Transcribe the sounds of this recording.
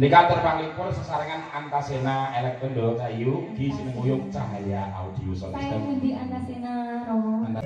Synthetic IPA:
nikad̪ərpaliŋpʊrsə̥saɾaŋanant̪asenaelɛk̚t̪ɔndɔt͡ʃajuɡisinəmujʊŋt͡ʃaɦajaʔa̰ud̪̥iusɔnsəənd̪iant̪asenaɔan

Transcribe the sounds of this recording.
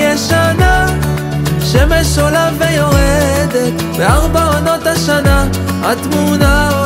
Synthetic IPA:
ɛʃana | ʃɛmeʃolavejoʁed̪et̪ | beaʁbaono̞t̪aʃana | a̰t̪muna

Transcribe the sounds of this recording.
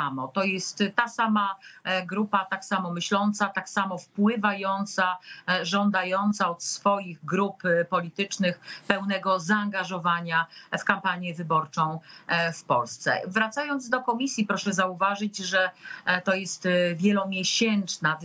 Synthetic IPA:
amɔt̪ɔjɛst̪ːasamaɡɾupat̪aksamɔmɘɕlɔnt̪sat̪aksamɔfpwɘvajɔnt̪saʐɔnd̪ajɔnt̪saɔt̪sfɔjiɣɡɾuppɔlʲit̪ɘt͡ʂnɘxpɛwnɛɡɔzaːŋɡaʐɔvaɲafkampaɲjɛvɘbɔɾt͡ʂɔ̃w̃fpɔ̰lst̪sɛ̰vɾat̪sajɔnd̪zd̪ɔkɔmʲisʲjipɾɔʂɛzauvaʐɘd͡ʑʐɛt̪ɔjɛst̪vʲjɛlɔmʲjɛɕɛnt͡ʂna

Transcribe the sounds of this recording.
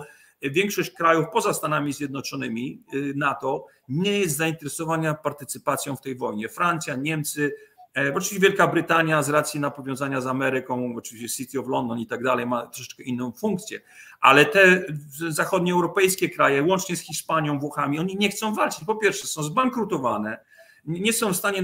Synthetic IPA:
vʲjɛŋkʂɔɕt͡ɕkɾajufpɔzast̪anamʲizʲjɛd̪nɔt͡ʂɔnɘmʲinat̪ɔ | ɲɛjɛst̪zaint̪ɛɾɛsɔvaɲapaɾt̪ɘt̪sɘpat̪sʲjɔ̃w̃ft̪ɛjvɔjɲɛfɾant̪sʲjaɲɛmt̪sɘɔt͡ʂɨvʲiɕt͡ɕːɛvʲjɛlkabɾɘt̪aɲjazɾat̪sjinapɔvʲjɔ̃w̃zaɲazamɛɾɘkɔ̃w̃ɔt͡ʂɨviɕt͡ɕɛsʲit̪ʲiɔvlɔnd̪ɔnit̪aɡd̪alɛjmat̪ɾɔʂɛ̥kɛʔinːɔ̃w̃fuŋk̚t̪sʲjɛ̰ | ʔa̰lɛt̪ɛzaxɔd̪ɲɛɛwɾɔpɛjskʲɛkɾajɛwɔnt͡ʂɲɛsxʲiʂpaɲjɔ̃w̃vwɔxamʲiɔɲiɲɛxt̪sɔ̃w̃valt͡ʂɨ̥t͡ɕpɔpʲjɛɾfʂɛsɔ̃w̃zbaŋkɾut̪ɔvanɛ | ɲɛsɔ̃w̃fst̪aɲɛ

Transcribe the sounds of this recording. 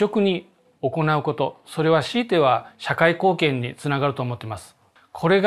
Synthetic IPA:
o̞kɯ̟ɲ̟i | o̞ko̞naɯ̟ko̞t̪o̞so̞ɾe̞β̞aɕiːt̪e̞β̞aɕakaiko̞ːkẽ̞ɲ̟ːit͡sɨnaɡaɾɯ̟t̪o̞ːmot̪ːeimasɨ̥ | kʰo̞ɾe̞ɡ

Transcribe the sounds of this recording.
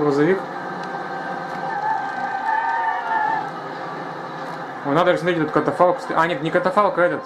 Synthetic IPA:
ɡɾɐzɐvʲik | onad̪ʐəsmɐt̪ɾet̪̬ʲɛt̪ʊt̪kət̪ɐfalˠkst̪ʔanʲɛknʲɪkɐt̪ɐfalˠkɛt̪ət̪

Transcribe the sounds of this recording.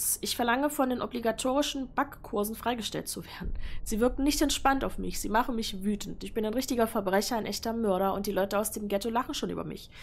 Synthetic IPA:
sʔɪçfɛɐlaŋəfɔndeːnʔɔbliɡatʰoːʁ̞ɪʃn̩b̥akːʰʊɐzn̩fʁ̥aɪɡəʃtɛ̰lt̚t͡suveːɐdn̩z̥iːvɪɐkn̩nɪçtɛntʃpantaʊfmɪ̰çz̥iːmaχn̩mɪçvyːtn̩tɪçb̥ɪnaɪnʁɪçtɪɡɐfɛɐbʁɛçɐaɪnʔɛçtɐmœɐɾɐʊ̰nt̚d̥iːlɔʏtəaʊsd̥eːmɡɛtolaχn̩ʃoːnʔy̰ːbɐ̰mɪ̰ç

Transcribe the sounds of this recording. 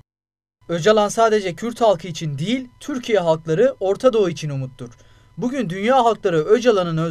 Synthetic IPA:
ød͡ʒalˠansaːd̪e̞d͡ʒɛcʰyɾʲt̪halˠkʰɯit͡ʃʰind̪ijilʲt̪ʰyɾcʰijɛɦalˠklˠaɾɯʔo̞ɾt̪ʰad̪o̞uit͡ʃʰinumut̪ːuɾ̥ | buɟynd̪ynjaːɦalˠklˠaɾɯød͡ʒalˠanɯnø

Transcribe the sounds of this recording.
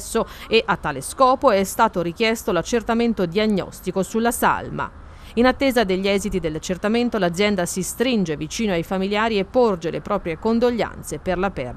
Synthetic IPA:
sːoeʔat̪ːaːleskɔːpoɛst̪aːt̪oɾik̟jɛst̪olat͡ʃːert̪ament̪od̪iaɲːɔ̰st̪ikosulːasa̰lma̰ | inat̪ːeːzad̪eʎːiɛzit̪id̪elːat͡ʃːert̪ament̪olad̪zːjɛnd̪asist̪ɾind͡ʒevit͡ʃiːnoajfamiljaːɾiepːord͡ʒelḛpɾɔːpɾjekond̪oʎːa̰nt̪seperlapɛ̰rd̪

